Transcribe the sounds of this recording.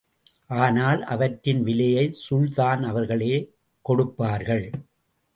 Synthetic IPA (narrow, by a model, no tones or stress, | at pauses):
ʔaːnaːlʔɐ̰ʋɐʈɾɪnʋɪlɐjɐɪsʊɭðaːnɐʋɐɾɣɐɭeː | kɔɽɯpːaːɾɣɐɭ